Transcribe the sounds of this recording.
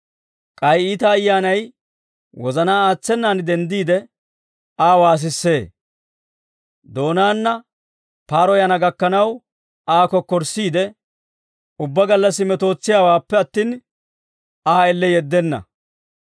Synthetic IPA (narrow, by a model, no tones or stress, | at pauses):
kʼɐjiːt̪ɐːjːaːnɐj | wɔzɐnaːaːt͡sːɛnːaːnd̪ɛnd̪iːd̪ɛ | aːwaːs̬ɪsːe̞ː | d̪o̞ːnaːnːɐ | paːɾɔjɐnɐɡɐkːɐnɐw | aːkɔkːɔɾsiːd̪ɛ | ʊbːɐɡɐlːɐsːɪmɛt̪o̞ːt͡sːɪjaːwaːpːɛɐt̪ːiːn | aːɛlːɛjɛd̪ːɛnːɐ̰